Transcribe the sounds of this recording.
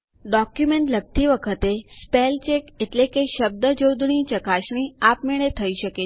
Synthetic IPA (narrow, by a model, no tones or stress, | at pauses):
ɖɔkjumeɳʈləɡ̚t̪iʋəkʰət̪espelt͡ʃekeʈlekeʃəb̚d̪əd͡ʒowd̪ɳit͡ʃəkaʃɳ̃iapmeɭet̪ʰəiʃəke